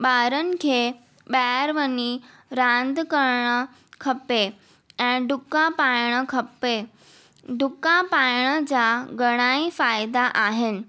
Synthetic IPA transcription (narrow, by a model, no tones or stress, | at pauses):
ɓaɾənkʰe | ɓaɾʋəni | ɾãnd̪kəɾɳə | kʰəpe | ɛ̃ɖʱukapajɽ̃əkʰəpe | ɖʱʊkapajɳ̃ət͡ɕaɡəɽ̃aifajd̪aʔaɦen̆